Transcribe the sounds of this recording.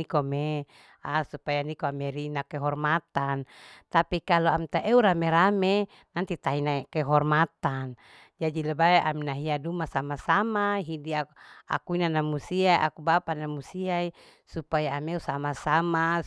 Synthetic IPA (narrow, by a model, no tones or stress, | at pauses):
ikome | asupajanikoameɾinakɛɦɔrmat̪ant̪apikaloamt̪aʔeuɾameɾame | nant̪it̪ainakɛɦɔrmat̪an | d͡ʒadilebaeʔaminaɦiadumasamasamaɦidiaa̰kuinanamusiaiʔa̰kubapanamusiai | supajaːmeusamasama